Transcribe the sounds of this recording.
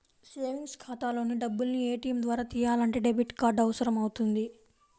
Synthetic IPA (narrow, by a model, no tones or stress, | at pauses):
se̞ːʋiŋɡskʰaːt̪aːlo̞ːniɖɐbːulnieːʈiːɐmd̪ʋaːɾaːt̪iːjaːlɐɳʈe̞ːɖebiʈkaːɾɖɐʋɐsɐɾɐmɐwut̪und̪i